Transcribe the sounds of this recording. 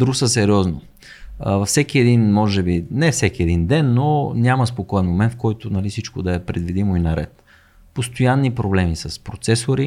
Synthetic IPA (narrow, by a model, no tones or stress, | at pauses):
d̪ɾusəsɛɾiɔzno | vɐfsɛkiɛd̪inmɔʒɛbinɛfsɛkiɛd̪ind̪ɛnːonʲaməspokɔɛnmomɛnt̪fkɔjt̪ʊnɐlifsit͡ʃkod̪ɐɛpɾɛd̪vid̪imoinɐɾɛ̰t̪ | post̪ojanːipɾoblɛmisɐspɾot̪sɛsoɾi